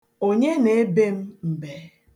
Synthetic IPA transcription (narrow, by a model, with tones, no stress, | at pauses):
o˨ɲe˦ne˨e˦be˦m̩˦m̩˨be˦